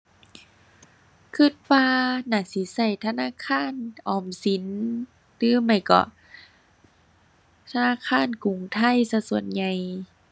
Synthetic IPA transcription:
kʰɯ˧˩t̪̚paː˧naː˧˩si˨˦sa˧˩jt̪ʰa˧naː˧˥˨kʰaː˧˥˨nʔɔː˨˩msi˨˦n | t̪ɯː˨˦ma˧˩jkɔ̰˧˩ | t̪ʰa˧naː˧˥˨kʰaː˧˥˨nku˨˩ŋt̪ʰa˧˥˨jsa˧su˨˩ənɲa˧˩j

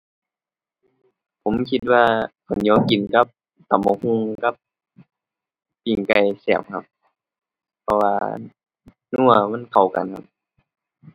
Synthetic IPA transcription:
pʰo˨˦mkʰi˧t̪̚waː˧kʰa˨˩˦nɲɔː˧˥˨mki˨˩nka˧˦˥p̚ | t̪a˨˦mːɔ˧˩hu˧˨ŋka˧˥p̚ | piː˨˩ŋka˧˩jsɛː˧˩˨p̚kʰa̰˧p̚ | pʰɔ˧wa̰ː˧ | nu˧˨ɐma˧˥˨nkʰa˨˩wka̰˨nkʰa̰˧p̚

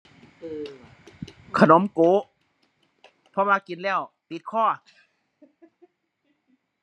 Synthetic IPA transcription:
kʰa˧no˨˦mkoː˨˦ | pʰɔ˧˦waː˧ki˨˦nlɛː˥˩w | p̪i˨˦t̪̚kʰɔː˧˥˩

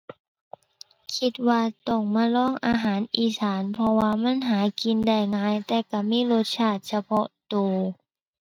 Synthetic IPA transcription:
kʰi˧t̪̚waː˧t̪ɔ˧˩ŋmaː˧˥˨lɔː˧˥˨ŋʔaː˧ɦaː˨˩˦nʔiː˧˩saː˨˩˦npʰɔ˧waː˧ma˧˥˨nɦaː˩˦ki˧nda˧˩jŋaː˧˥jt̪ɛː˧˩ka˧˩miː˧˥˨lo˧t̪̚t͡ɕʰaː˧˩t̪̚sa˧pʰɔ˧t̪oː˧˩

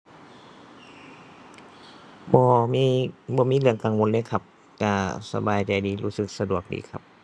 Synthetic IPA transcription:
bɔː˧˦miː˧˥bɔː˧˦miː˧˥˨lɯ˧˥˩əŋkaː˨ŋwo˧˦nlɤː˧˥˨jkʰa˧p̚ | ka˧˩sa̰˧baː˨jt͡ɕa˨˩jdiː˨luː˦˥sɯ˧˦k̚sa˧du˨˩ək̚dḭː˨˦kʰa˧˥p̚

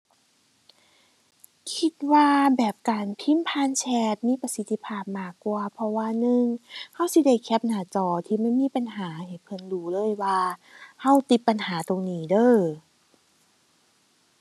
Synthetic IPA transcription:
kʰi˧t̪̚waː˧bɛː˨˩p̚kaː˨˩npʰi˧˥˨mpʰaː˧˥˨nt͡ɕʰɛː˧t̪̚miː˧˥˨pa˧si˧˦t̪ʰːi˧pʰaː˧˩p̚maː˧˩kːwaː˧ɐpʰɔ˧waː˧nɯ˧ŋha˧˥˨wsi˧˦da˧˩jkʰɛː˧˥˩p̚naː˨˩˦t͡ɕɔː˧˩t̪ʰiː˧˨ma˥˩˨jmiː˧˥˨pa˨nɦaː˩˦he˨˩pʰɤ˧˩nluː˨˦lɤː˧˥˨jwaː˧ha˧˩wt̪i˧˦pːa˨nhaː˩˦t̪o˨ŋniː˨˦dɤː˧˥˩

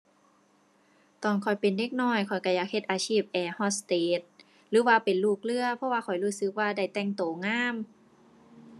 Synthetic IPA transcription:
t̪ɔː˨˧˩nkʰɔ˨˩jpe˨˩nde˧˥˩k̚nɔː˧˩jkʰɔ˨˩jka˧˩jaː˧˩k̚he˧t̪ʔaː˨˩t͡ɕʰiː˥˩p̚ʔɛː˧˩hɔ˧˩st̪eː˨˦t̪̚ | lɯː˨˦waː˧pe˨˩nluː˧˥˩k̚lɯ˧˩ɐpʰɔ˧˥waː˧kʰɔ˨˩jɾuː˧˥˩sɯ˧˦k̚waː˧da˧˥˩jt̪ɛ˧˩ŋt̪oː˨˩ŋaː˧˥˨m

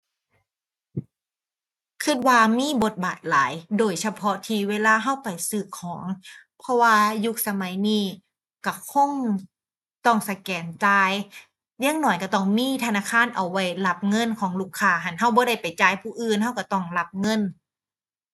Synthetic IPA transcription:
kʰɯ˧t̪̚waː˧miː˧˥˨bo˧˦t̪̚baː˨˩t̪̚laː˨˦jdoː˨˩jsa˧pʰɔ˧t̪ʰiː˧˩weː˧˨laː˧ɦa˧˥˩wpa˨jsɯː˧˩kʰːɔː˨˩˦ŋ | pʰɔ˧waː˧ju˧˥k̚sa˧ma˨˦jniː˧˥˩ | ka˧˩kʰo˧˥˨ŋ | t̪ɔ˧˩ŋsa˧kɛː˨˦nt͡ɕaː˧j | jaː˧˥˨ŋnɔː˧˩jka˧˩t̪ɔ˧˩ŋmiː˧˥˨t̪ʰa˧naː˧˥˨kʰaː˧˥˨nʔa˨˩wːa˧˩jla˧p̚ŋɤ˧˥˨nkʰɔː˨˦ŋluː˧˩kʰːaː˧˩ɦa˧˩˨nɦa˧˩wbɔː˧˦ɾa˧˩jpa˨˩jt͡ɕaː˧˩˨jpʰuː˧˩ʔɯː˧˨nɦa˧˥˩wka˧˩t̪ɔ˧˩ŋla˧˥p̚ŋɤ˧˥˨n

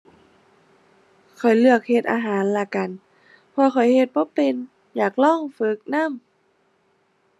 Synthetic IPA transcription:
kʰɔ˨˩jlɯ˧˩ək̚he˧t̪̚ʔaː˧ɦaː˩˦nla˧˩ka˨n | pʰɔ˧xʰɔ˨˩jhe˧t̪̚bɔː˧˦pe˧n | jaː˨˩k̚lɔː˧˥˩ŋfɯ˧˦k̚na˧˥˨m

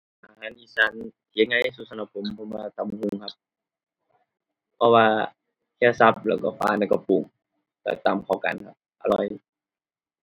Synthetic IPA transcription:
ʔaː˨ha˧˨nʔi˧˨sa˧˦˨n˨ | a˧˦ŋːa˧˨˧su˧˨sa˧na˧˩pʰːo˨˦mpʰɔ˧˦mwaː˧t̪a˨˧˨m˧hu˧˨ŋkʰa˧p̚ | pʰɔ˧waː˧ | kʰɛː˧˩sa˧˦p̚lɛ̰˧˩kɔ˧˩fa̰ː˧˨na˧˨kɔ˧˩pu˨˩ŋ | t̪a̰˧˩t̪a˨˩mkʰa˧˩wka̰˨nkʰa˧p̚ʔa˧lɔ˧˩j

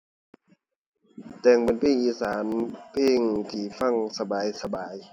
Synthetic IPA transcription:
t̪ɛː˧˩ŋpe˨˦npʰeː˧˨ŋʔiː˧˨˦saː˨˦npʰeː˧˨ŋt̪ʰiː˧˩fa˧˥˩ŋsa˧baː˨˦jsa˧baː˨˦j

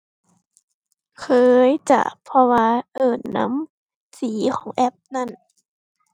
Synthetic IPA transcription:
kʰɤː˧jt͡ɕa̰˧˩ʔpʰɔ˧waː˧ʔɤː˨˩nːa̰˧˥m | siː˩˦kʰɔː˩˦ŋʔɛ˧˥p̚na˧˩n

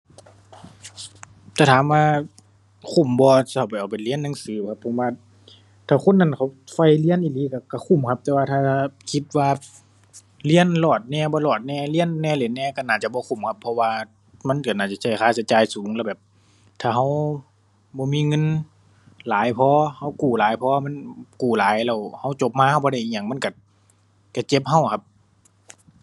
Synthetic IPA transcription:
t̪ɛː˧˩t̪ʰaː˨˦maː˧˨ | kʰu˧˩mbɔː˧sa˧ha˨˩wpa˨˩jʔa˨˩wpa˨˩jli˧˥ə˨nːa˧˨ŋsɯː˨˦kʰa˧˦pʰːo˨˦mwaː˧ | t̪ʰaː˧˩kʰo˧˥˨nːa˧˨nkʰa˨˩wfa˧˩jli˧˥ə˨nʔiː˧˩liː˧˦ka˧˩ka˧˩kʰu˧˩˨mkʰa˧p̚t̪ɛː˧waː˧t̪ʰaː˧a˧kʰi˧˦t̪̚waː˧ | li˧˥˨ə˨nlɔː˨˩t̪̚nɛː˧˩bɔː˧˦lɔː˨˩t̪̚nɛː˧˩li˧˥˨ə˨nːɛː˧˨le˨˧˦nːɛː˧˨ka˧˨naː˧˩t͡ɕa˧bɔː˧kʰu˧˩˨mkʰa˧˥pʰːɔ˧waː˧ | ma˧˥˨nka˧˩naː˧˩t͡ɕa˧˩sa˧˩jkʰaː˧˩sa˧t͡ɕaː˨jsuː˨˦ŋlɛː˧˩bɛː˨˩p̚ | t̪ʰaː˧˩ɦa˧˥˩w | bɔː˧˦miː˧˨ŋɤ˧˥˨n | laː˨˦jpʰɔː˧˦ha˧˥˩wkuː˨˩laː˨˦jpʰɔː˧ma˧˥˨nkuː˨˩laː˨˦jlɛː˧˩wha˧˩˨wt͡ɕo˧˦p̚maː˧˥˨ha˧˩wbɔː˧ɾa˧˩jʔi˧˨ɲaː˧˨ŋma˧˥˨nka˧˩ | ka˧˩t͡ɕe˧p̚ha˧˥˨wkʰa˧p̚

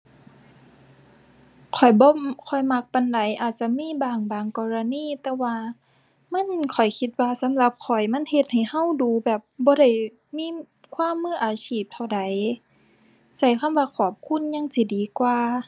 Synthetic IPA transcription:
kʰɔ˨˩jbɔː˧˦kʰɔ˨˩jma˧˥k̚pa˧˨nda˨˦jʔaː˨˩t̪̚t͡ɕa˧˦miː˧˥˨baː˨˩ŋbaː˨˩ŋkɔː˧ɾa˧niː˧˥˨t̪ɛː˧waː˧ | ma˧˥˨nkʰɔ˨˩jkʰi˧t̪̚waː˧sa˨˦mla˧˦p̚kʰɔ˨˩jma˧˥˨nhe˧t̪̚ha˨˩jha˧˥˨wduː˨˧˦bɛː˨˩p̚bɔː˧˦ɾa˧˩j | miː˧˥˨ | kʰwaː˧˥˨mːɯː˧˥˨ʔaː˨˧siː˧˩p̚t̪ʰa˧˩wda˨˦j | sa˧˩jkʰa˧˥˨mwaː˧kʰɔː˧˨˩p̚kʰu˧˥˨nɲa˧˥˨ŋsi˧˦diː˨kwaː˧

